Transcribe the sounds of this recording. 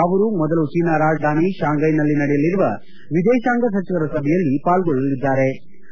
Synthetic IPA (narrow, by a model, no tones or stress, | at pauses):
ɐʋɐɾumɔd̪ɐlut͡ʃiːnaːɾaːd͡ʒd̪ʱaːniʃaːŋɡɐjnɐlːinɐɽɛjɐliɾuʋɐ | ʋid̪ɛːʃaːŋɡɐs̬ɐt͡ʃiʋɐɾɐsɐbʱɛjɐlːipaːlɡɔɭːɐlid̪ːaːɾe̞